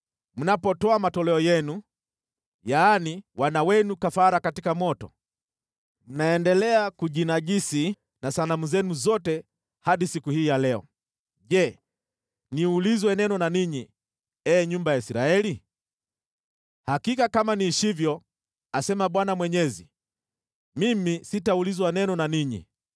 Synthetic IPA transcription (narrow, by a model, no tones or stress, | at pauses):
m̩napɔtɔamatɔlɛɔjɛnu | jaːniwanawɛnukafaɾakatikamɔtɔ | m̩naɛndɛlɛakuʄinaʄisi | nasanamuzɛnuzɔtɛ | haɗisikuhiːjalɛɔ̰ | ʄɛ | niulizwɛnɛnɔnaniɲi | ɛːɲumbajaisiɾaɛli | hakikakamaniʃivjɔ | asɛmaɓwanamwɛɲɛzḭ | mimisitaulizwanɛnɔnaniɲḭ